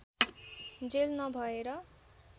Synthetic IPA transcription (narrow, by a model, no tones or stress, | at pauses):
d͡zelnʌbʱʌeɾʌ